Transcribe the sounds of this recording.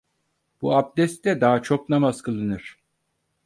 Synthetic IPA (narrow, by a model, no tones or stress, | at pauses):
b̥uap̚d̪ɛst̪ːɛd̪aɦat͡ʃʰo̞k̚namazkʰɯlˠɯnɯɾ̥